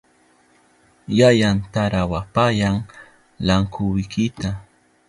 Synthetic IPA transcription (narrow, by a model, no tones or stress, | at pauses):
jajant̪aɾawapajaŋ | laŋkʰʊwɪkɪt̪a